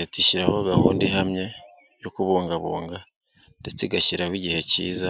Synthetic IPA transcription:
etiʃiɾaho̞ɡahṵːndiɦamɲe̞ | jokuβuːŋɡaβuːŋɡa | tet͡siɡaʃiɾawiɟihe̞cḭːza

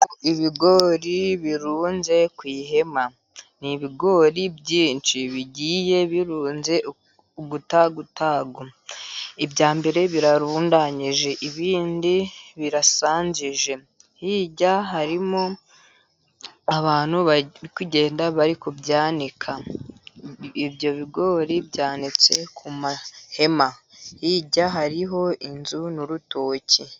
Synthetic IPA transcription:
oʔiβiɡo̞ɾiβiɾuːnze̞kwiːɦe̞ma | niβiɡo̞ɾibɟiːnt͡ʃiβiɟiːje̞βiɾuːnze̞ | uɡutaɡutaːɡo | ibjaːmbe̞ɾe̞βiɾaɾuːndaɲiʒe̞ʔiβiːndiβiɾasaːɲziʒe̞ | hiɟaɦaɾimo̞ | aβaːn̥huβikuɟe̞ːndaβaɾikubjaːnikʰa | ibjo̞βiɡo̞ːɾibɟaːnit͡se̞kʰumahe̞mahiɟaɦaɾiɦo̞ʔinzunuɾutoːci

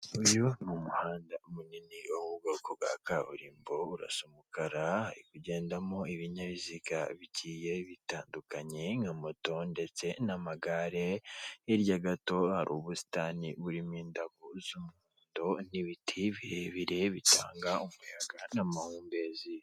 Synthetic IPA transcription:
ujonumuhaːndamuninioβuɡokoβɡwa̰kaṵɾiːmbouɾa̰somukaɾahaɾikuɟe̞ːndamo̞iβiɲaβiziɡa̰βicʰiːje̞βitaːndukaɲeŋamoto̞nde̞t͡se̞namaɡaɾeiɾjaɡato̞haɾʔuːβusi̥tanḭβuɾimiːndaɡozumuːndoniβitʰiβiheβiɾe̞βitaːŋɡaumujaɡanamahuːmbe̞ːzi

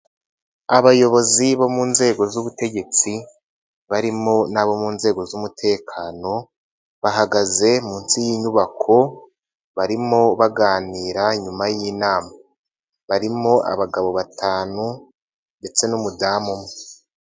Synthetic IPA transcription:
aβajo̞βo̞ziβo̞muːnze̞ːɡo̞zuβute̞ɟe̞t͡si | βaɾimo̞naβo̞muːnze̞ːɡo̞zumutʰe̞ːkʰaːno̞ | βaɦaɡaze̞muːnsijiːɲuβakʰo̞ | βaɾimo̞βaɡaːniːɾaɲumajinaːmaa | βaɾimo̞ʔa̰βaɡaβo̞βatʰaːnu | nde̞t͡se̞numudaːmumŋe

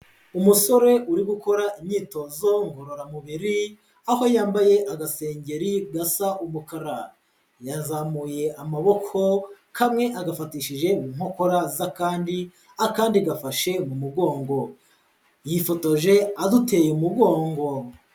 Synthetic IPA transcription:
umuso̞ɾe̞uɾiɡuko̞ɾaʔimɲiːto̞zo̞ŋɡo̞ɾo̞ɾamuβiɾi | aho̞jaːmbaje̞ʔaɡase̞ːɲɟe̞ɾiɡasaʔumukaɾa | jazamuje̞amaβo̞kʰo̞ | kamŋe̞ʔaɡafatiːʃiʒe̞muːmhoko̞ɾazakaːndi | akaːndiɡafaʃe̞mumuɡo̞ːŋɡo̞ | jifo̞to̞ʒe̞adute̞ːjeumuɡo̞ːŋɡo̞

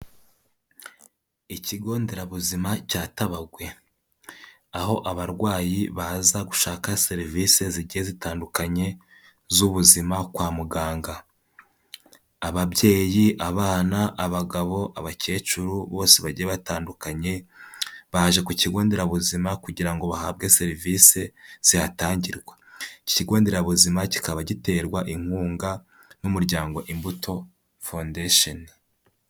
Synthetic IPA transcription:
iciɡo̞ːnde̞ɾaβuzimacaːtaβaɡwe̞ | aho̞ʔaβaɾɡwaːjiβazaɡuʃaːkaseɾiviːse̞ziɟihezitaːndukaɲe̞ | zuβuzimakwaːmuɡaːŋɡa | βabje̞ːjiʔaβaːnaʔːβaɡaβo̞ʔaβace̞ːt͡ʃuɾuβo̞ːseβaɟieβataːndukaɲe̞ | βahaʒe̞kuciɡo̞ːndeɾaβuzimakuɟiɾaŋɡo̞βaha̰ːbɡe̞se̞ɾivise̞z̥ihataːɲɟiɾɡwaci̥ciɡo̞ːndeɾaβuzimaci̥kaβaɟite̞ːɾɡwaʔiŋ̥huːŋɡa | numuɾɟaːŋɡo̞ʔimbutʰo̞ | fondeʃon

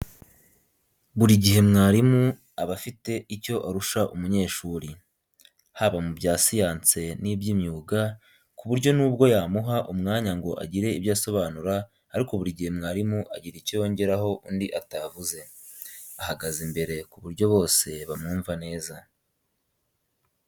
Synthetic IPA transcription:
βuɾiɟiɦe̞mŋaːɾimu | aβafite̞ico̞ʔaɾuʃaʔumuɲe̞ːʃuɾi | haβamubɟaːsijaːnt͡se̞nibɟimɲuːɡa | kuβuɾɟo̞nuːb̚ɡo̞jaːmuɦaʔumŋaːɲaŋɡo̞ʔa̰ɟiɾe̞ibjaːso̞βaːnuɾaː | ɾiko̞βuɾiɟihe̞mŋaːɾimuʔaɟiɾicijo̞ːɲɟe̞ɾaɦo̞ʔundiʔatavuze̞ | ahaɡazimbe̞ɾe̞kuβuɾɟo̞βo̞ːse̞βamŋuːɱvane̞ːza

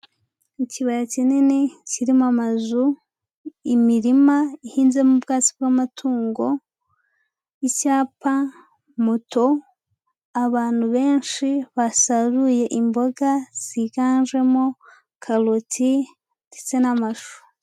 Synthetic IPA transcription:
iciβajacinineciɾimamazu | imiɾimaihiːnze̞mubɡaːt͡si̥b̚ɡamatʰuːŋɡo̞ | icaːpa | muto̞ | aβaːn̥huβe̞ːnʃiβasaɾuje̞ʔimbo̞ɡaz̥iɡaːnʒwe̞mo | kʰalotʰi | ti̥t͡se̞namaʃo̥

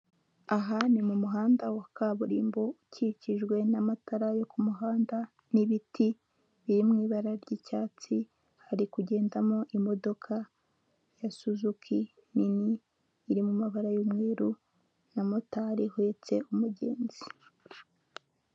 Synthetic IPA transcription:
aɦanimumuɦaːndawakaːβuɾiːmbouciciʒɡwe̞namataɾajo̞kumuɦaːnda | niβiti | βiɾimŋiːβaɾaɾɟicaːt͡si | haɾikuɟe̞ːndamoʔimo̞do̞kʰa | jasuzukʰi | niniː | ɾimumaβaɾajomweːɾu | namotaɾihwet͡se̞ʔumuɟe̞̰ːnzi

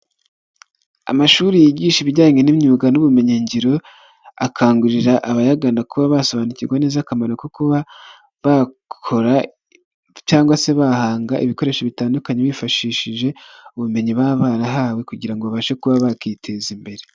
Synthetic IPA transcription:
a̰maʃuːɾijiɟiːʃiβiɟaːŋenimɲuːɡanuβume̞ɲeɲɟiɾo̞ | akʰaːŋɡuɾiɾaʔaβajaɡandakuβaβaso̞βaːnuciɾɡwanezakamanokokuβa | βa | kkʰo̞ɾḁ | jaːŋɡwase̞βahaːŋɡaʔiβiko̞ɾe̞ːʃoβitaːndukaɲeβwiːfaʃiːʃiʒe̞uβume̞ɲiβaβaːɾaɦaːwe̞kuɟiɾaŋɡoβaβaʃe̞kuβaβakitʰe̞zimbe̞ɾe

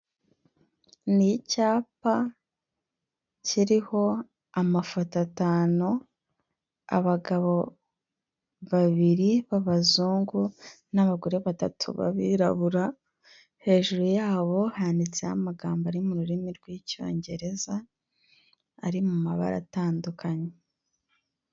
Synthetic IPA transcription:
nicaːpa | ciɾiho̞ | amafotataːno | a̰βaɡaβo̞ | βaβiɾiβaβazuːŋɡu | naβaɡuɾe̞βatatʰṵβa̰βiɾa̰βuɾa | he̞ːʒuɾujaːβo̞haːndit͡sehamaɡaːmbaɾimuɾuɾimiɾɡwiːco̞̰ːɲɟe̞ɾe̞za | ɾimumaβa̰ɾa̰taːndukʰaɲe

